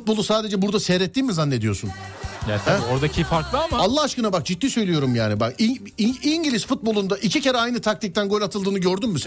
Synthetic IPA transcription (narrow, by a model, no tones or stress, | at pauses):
ut̪̚bo̞lˠusaːd̪e̞d͡ʒɛbuɾd̪asɛɾɛt̪ːiːmizanːe̞d̪ijo̞sunɛæo̞ɾd̪acʰifaɾklˠɯamaalˠːaɦaʃkɯnabak̚d͡ʒit̪ːiːsø̞jlʲijo̞ɾumjaːnibaki | iɲɟilʲizfut̪̚bo̞lˠund̪aʔicʰicʰeɾɛajnɯt̪ʰak̚t̪ʰic̚t̪ʰænɡo̞lʲat̪ʰɯlˠd̪ɯːnɯɟøɾd̪ymmys